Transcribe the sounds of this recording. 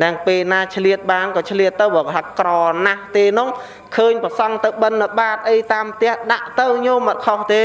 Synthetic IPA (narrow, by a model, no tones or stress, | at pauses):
năəŋpeːlnaːt͡ɕʰliət̪̚ɓaːnkɑːt͡ɕʰliət̪ːɨwɓɔːt̪ʰakrɑːnaht̪eːnʊ̆ŋ | kʰəːɲprəsɑŋt̪ɨwɓənːəɓaːt̪̚ʔəjt̪aːmp̚ʰt̪ɛ̆əhɗaʔt̪ɨwɲoːmət̪̚kʰoht̪eː